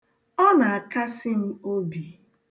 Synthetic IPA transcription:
ɔ˦na˨a˨ka˦sɪ˦m̩˦o˦bi˨

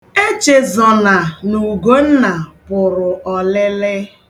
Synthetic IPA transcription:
e˦t͡ʃe˨zɔ˨na˨nu˨ɡo˦n̩˦na˨pʊ˨ɾʊ˨ʔɔ˨lɪ˦lɪ˦

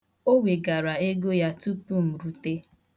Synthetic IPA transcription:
o˦we˨ɡa˨ɾa˨e˦ɡo˦ja˦tu˦pu˦m̩˨ɾu˨te˦

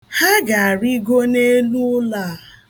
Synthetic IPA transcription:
ha˦ɡa˨a˨ɾi˦ɡo˦ne˦lu˦ʊ˦la˦˨

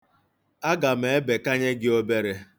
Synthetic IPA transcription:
a˦ɡa˨m̩e˨e˦be˨ka˦ɲe˦ɡɪ˦o˦be˦ɾe˦

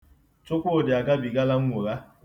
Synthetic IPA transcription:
t͡ʃʊ˦kʷʊ˦˨dɪ˨a˨ɡa˦bi˨ɡa˦la˦ŋ̩˦ŋʷo˨ɣa˦

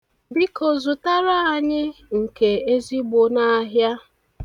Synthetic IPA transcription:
bi˦kʰo˨zʊ˨ta˦ɾa˦a˨ɲɪ˦ŋ̩˨ke˨e˦zi˦ɡ͡bʊ˨na˦ɦja˦

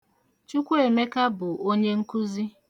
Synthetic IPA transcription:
t͡ʃu˦kʷu˦e˨me˦ka˦bʊ˨o˦ɲe˦ŋ̩˦kʊ˦zi˦

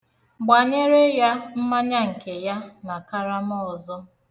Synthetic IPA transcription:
ɡ͡ba˨ɲe˦ɾe˦ja˦m̩˦ma˦ɲa˦ŋ̩˨ke˨ja˦na˨ka˦ɾa˦m˦ɔ˦˨zɔ˦

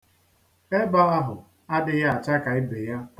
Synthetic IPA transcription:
e˦ba˦a˦ɦʊ˨ | a˦dɪ˨ja˦a˨t͡ʃa˦ka˨ɪ˦be˨ja˦

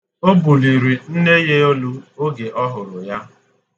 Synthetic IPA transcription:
o˦bu˨li˨ɾi˨n̩˦ne˦je˦o˦lu˦o˦ɡe˨ʔɔ˦ɦʊ˨ɾʊ˨ja˦

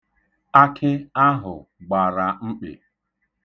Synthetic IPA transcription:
a˦kʰɪ˦a˦ɦʊ̰˨ɡ͡ba˨ɾa˨ŋ͡m̩˦k͡pḛ˨

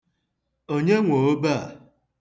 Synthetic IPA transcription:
o˦ɲe˦ŋʷo˨o˦ba˦˨

